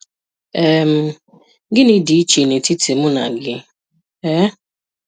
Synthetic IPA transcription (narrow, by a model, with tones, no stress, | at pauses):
e˦m̩˦ | ɡɪ˦ni˦di˨i˦t͡ʃe˨ne˨ti˦ti˨mʊ˦na̰˨ɡɪ˦ | ɛ˦